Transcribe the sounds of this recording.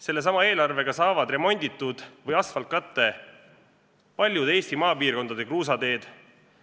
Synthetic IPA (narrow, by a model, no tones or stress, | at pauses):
se̞lːe̞s̬ɑmɑe̞ːlɑrve̞ɡ̥ɑsɑːvɑd̪re̞mo̞nʲd̪it̪ːud̪̥vɤjɑsfɑlt̪̚kɑt̪ːˑe̞ | pɑlʲjud̪e̞ːsʲt̪imɑːpiːrko̞nd̪ɑd̪e̞kruːs̬ɑd̪e̞ːd̪̥